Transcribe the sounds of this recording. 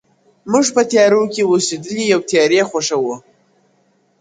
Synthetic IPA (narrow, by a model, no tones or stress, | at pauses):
mɨʐpətʰjaːɾuwkʲewosedɨlijawtʰjaɾeχʷaʂawu